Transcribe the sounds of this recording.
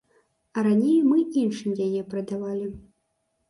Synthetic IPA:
ɐɾanʲejmɨinʂɨmjajɛpɾɐd̪avalʲi

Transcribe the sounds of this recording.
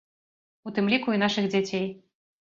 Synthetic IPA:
ut̪ɨmlʲikuin̪aʂɨɣd͡zʲat͡sʲej

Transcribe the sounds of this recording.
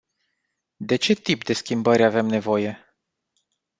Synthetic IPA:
d̪e̞t͡ʃe̞t̪ipd̪e̞skʲimbəɾʲave̞mne̞vo̞je̞

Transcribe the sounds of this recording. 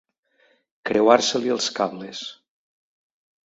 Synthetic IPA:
kɾewaɾseliəlˠskaβles

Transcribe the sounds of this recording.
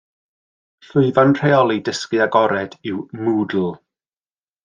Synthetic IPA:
ɬʊɨvanr̥eɔlˠidəskɨaɡɔɾɛdɪwmuːdl̩ˠ

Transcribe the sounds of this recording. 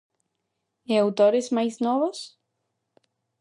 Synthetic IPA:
eawt̪oɾezmajznoβos

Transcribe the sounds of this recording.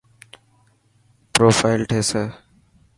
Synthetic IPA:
pɾoːfʰaːɪlʈʰeːsəː

